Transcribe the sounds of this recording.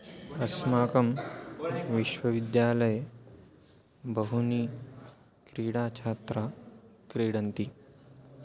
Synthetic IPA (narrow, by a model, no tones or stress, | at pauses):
ɐsmaːkɐm | ʋiʃʋɐʋid̪jaːlɐj | bɐɦuniː | kɾiːɽaːt͡ʃʰaːt̪ɾakɾeːɽɐnt̪i